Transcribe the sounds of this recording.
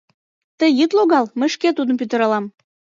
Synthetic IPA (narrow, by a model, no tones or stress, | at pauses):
t̪əjət̪loɣɑlməʃket̪ud̪əmpyt̪ə̆ɾɑlɑm